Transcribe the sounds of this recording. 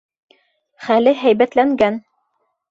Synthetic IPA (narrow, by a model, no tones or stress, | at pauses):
χælɘɦæjbæt̪læŋɡæn